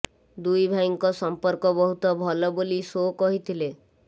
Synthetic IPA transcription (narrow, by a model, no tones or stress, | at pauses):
d̪ujbʱajŋkɔsɔmpɔɾkɔbɔɦut̪ɔbʱɔlɔbolisokɔɦit̪ʰile